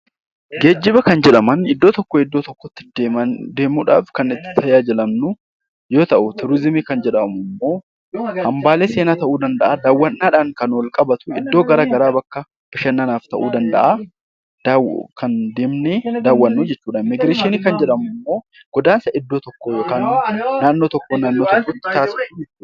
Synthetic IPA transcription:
ɡe̞ːd͡ʒːɪbɐkɐnd͡ʒɛᶑɐmɐnɪd̪ːoːt̪ɔkːoːɪd̪ːoːt̪ɔkːɔt̪ːɪɐd̪eːmuːᶑa̰ːfkɐnɪt̪ːɪ̥t̪ʰɐjaːd͡ʒɪlɐmnʊ | jo̞ːt̪ɐʔʊt̪ɪɾɪzɪmikɐnd͡ʒɛᶑɐmʊmːo̞ː | hɐmbaːleːse̞ːnaːt̪ɐʔuːd̪ɐnd̪ɐʔaːd̪aːwːɐnːaːᶑaːŋkɐnɔlkʼɐbɐt̪ʊ̥ɪd̪ːo̞ːɡɐɾaːɡɐɾaːbɐkːɐ | b̥ɪʃɐnːanaːft̪ɐʔuːd̪ɐnd̪ɐ̰ʔa | d̪̥wkɐnd̪eːmned̪aːwːɐnːuːd͡ʒɛt͡ʃːuːᶑaːnmɪɡɾeːʃɪniːkɐnd͡ʒɛᶑɐmʊmːo̞ː | ɡ̥ɔd̪aːnsɐʔɪd̪ːo̞ːt̪ɔkːoːjoːkaːnnaːnːo̞ːt̪ɔkːoːnaːnːoːt̪ɔkːoːt̪ːɪ̥t̪aːsɪ

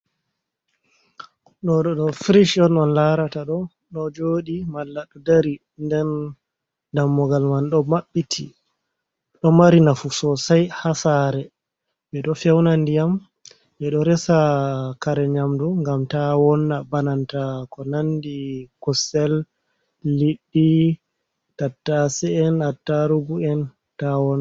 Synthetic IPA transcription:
ɗɔɗɔɗɔfɾiʃɔnɔnlaɾataɗɔ | ɗɔd͡ʒoːɗimalːaɗɔdaɾi | ndɛn | damːɔɡalmanɗɔmaɓːitʰi | ɗɔmaɾinafusɔsajhasaɾɛ | bɛɗɔfɛwnandijam | ʔɛɗɔɾɛsakaɾɛɲamduŋɡamtawɔnːabanantakɔnandikɔsɛlː | iɗːi | katːasɛɛnatːaɾuɡuɛn | tawɔna

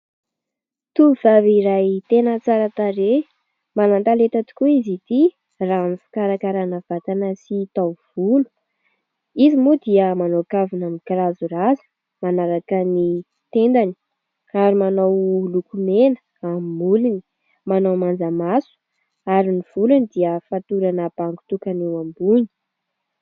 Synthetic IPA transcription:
t̪uv̥aviɾajt̪enət͡saɾat̪aɾe | manant̪alet̪at̪u̥kuizit̪i | ranifi̥kaɾakaɾanav̥at̪anəsit̪awv̥ulu̥ | izimud̪iəmanokavinamikiɾazurazə̥ | manaɾakəni | t̪end̪ani̥ | kaɾimanawlukumenə̥ | ammulini̥ | manawmand͡zamasu̥ | aɾiniv̥ulunid̪iəfat̪uɾanəb̥aŋɡu̥t̪ukanewambuni̥

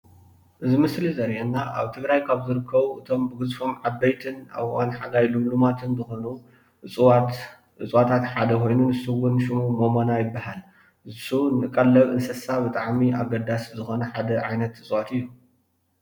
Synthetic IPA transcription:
ʔɨzɨmɨslizɐɾjɛnːaʔa̰βt̪ʰɨɡɾajkʰaβzɨɾɨkʰːɐβuʔɨt̪ʰo̞mbɨɡɨzfo̞mʕabːɐjt̪ʰɨna̰βwanħaɡajlumlumat̪ʰɨnzɨxo̞nu | ɨwat̪ | ɨt͡sʼwat̪ʰat̪ħad̪ɐko̞jnunɨsuwʊnʃɨmumomonajɪbːahal | zɨsunɨkʼːɐlːɐβɨnsɐsabɨt̪ʼaʕmiaɡɐd̪aszɨxo̞nɐħad̪ɐʕajnɐt̪ɨt͡sʼwat̪ɨjːu

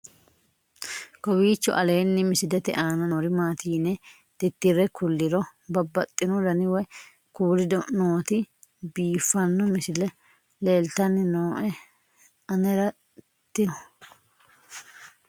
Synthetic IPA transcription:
kɔbiːt͡ʃːɔ̰ʔɐle̞ːnːɪmɪsɪd̪ɛt̪ɛ̰ʔaːnɐnɔɾɪmaːt̪iːnɛ | d̪̥ɪt̪ːɪɾɛkʊlːɪɾɔbɐbːɐt̪ʼːɪnɔd̪ɐnɪwɛ | kuːɾɪd̪noːt̪ɪ | biːfːɐnːɔmɪsɪlɛ | leːlt̪ɐnːɪnoːʔɛ | ɐnɛɾɐ | t̪ːɪnɔ

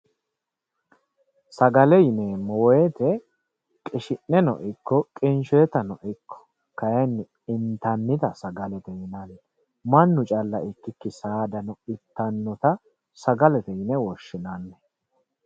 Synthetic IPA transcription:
sɐɡɐlɛjɪnɛmɔweːt̪ɛ | kʼɪʃɪnːɛnɔ̰ʔɪkːɔkʼɪnʃɔjɛt̪ɐnɔʔɪkʰːɔ̥ | kɐjɐnː | ɪnt̪ɐnːɪt̪ɐsɐɡɐlɛt̪ɛjɪnaːlɛ | mɐnːʊt͡ʃʼɐlːɐɪkːɪkːɪsaːd̪ɐnɔɪt̪ːɐnːɔt̪ɐ | sɐɡɐlɛt̪ɛjɪnɛwɔʃːɪnaːnːɛ

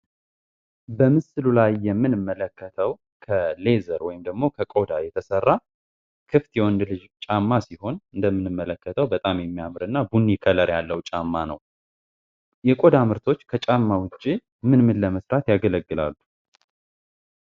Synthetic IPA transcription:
bəmɨsɨlulajːɛmːɨnɨmːələkːət̪ʰəw | kʰəle̞zəɾwɔjɪmd̪əɡmo̞kʰəkʼo̞d̪ajɛt̪ʰəsərːa | kʰɨft̪jɛwɔnd̪lɨd͡ʒt͡ʃʼamːasiho̞nɨnd̪əmːɨnɨmːələkːət̪ʰəwbət̪ʼamjɛmːijamɨɾɨnːabunːikʰələɾjalːəwt͡ʃʼamːanə̰w | jɛkʼo̞d̪amɨɾt̪ʰo̞t͡ʃːkʰət͡ʃʼamːawʊt͡ʃʼːi | mɨnmɨnləməsɾat̪jaɡələɡːɨla̰lːu

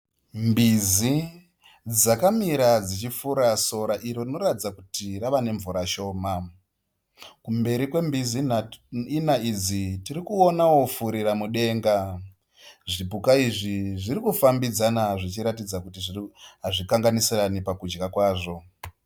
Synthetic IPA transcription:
mbizi | d͡zakamiɾad͡zit͡ʃifuɾaso̞ɾaʔiɾorino̞ɾatid͡zakutiɾaʋane̞ɱvuɾaʃo̞ːma | kumbe̞ɾikwe̞mbizi | inaid͡zitirikuonawo̞fuɾiɾamuɗe̞ːŋɡa | ʐipukaiʐiʐirikufambid͡zanaʐit͡ʃiɾatid͡zakutiʐiɦaʐikaŋɡanisiranipakud͡ʒɡakwaːʐo̞

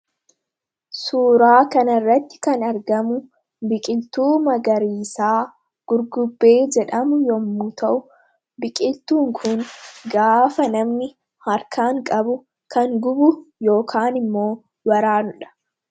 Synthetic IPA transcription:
suːɾaːkɐnɐrːɐt̪ːɪ̥kɐnɐɾɡɐmʊ | bɪkʼɪlt̪uːmɐɡɐɾiːsaː | ɡ̥ʊɾɡʊbːe̞ːd͡ʒɛᶑɐmʊjɔmːut̪ɐʔʊ | bɪkʼɪlt̪uːŋkʰʊŋɡaːfɐnɐmnɪ | hɐɾkʰaːŋkʼɐbʊ | kɐŋɡʊbʊjo̞ːkʰaːnɪmːo̞ː | wɐɾaːnʊᶑɐ̥

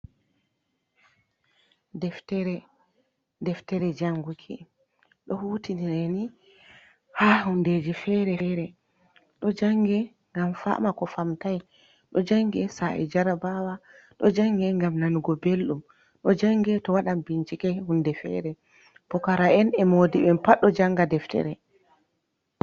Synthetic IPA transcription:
dɛftɛɾɛ | dɛftɛɾɛd͡ʒaŋɡukʰḭ | ɗɔhuːtiniɾɛni | hahunded͡ʒɛfɛɾɛɾɛ | ɗɔd͡ʒaŋɡɛ | ŋɡamfa̰makɔfamtaj | ɗɔd͡ʒaŋɡɛsaʔɛ̰d͡ʒaɾabawa | ɗɔd͡ʒaŋɡɛŋɡamnanuɡɔbelɗum | ɗɔd͡ʒaŋɡɛtɔwaɗambint͡ʃikɛhundɛfɛ̰ɾɛ | b̥ɔkaɾaɛnɛmodiɓɛmpaɗːɔd͡ʒaŋɡadɛftɛ̰ɾɛ

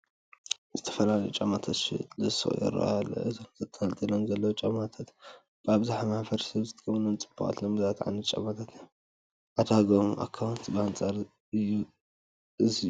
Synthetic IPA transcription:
zɨt̪ʰɐ̥fɐlalɐjut͡ʃʼamat̪ʰat̪ʃḭlɨso̰ʔjɛ̰ɾo̰alːo̰ʔɨzomzɐt̪ʰːɐnalt̪ʼilonzɐlːɐwt͡ʃʼɐmat̪ʰat̪ | baβzaħamahfɐɾsɐβzɨt̪ʰɐkʰɐβnomt͡sʼɨba̰ʔʼa̰t̪lombɨzat̪ʕa̰nɨt͡ʃʼɐ̰mat̪ʰat̪ | ʕad̪aɡomʔa̰kʰːawnt̪bɨant͡sʼaɾ | ɨjːu | ʔɨziu

